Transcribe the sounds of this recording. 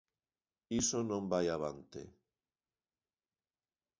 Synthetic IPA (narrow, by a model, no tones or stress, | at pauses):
isonõmbajaβ̞ant̪ḛ